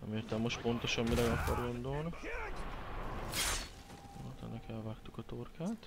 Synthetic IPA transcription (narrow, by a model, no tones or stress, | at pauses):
nɛ̰mert̪ɛmmo̞ʃtpo̞nt̪oʃɒmmilɛɡɒpɒɾond̪oːn | jo̰lt̪ɛ̰nːɛkɛlvaːkt̪ukɒt̪orkaːt̪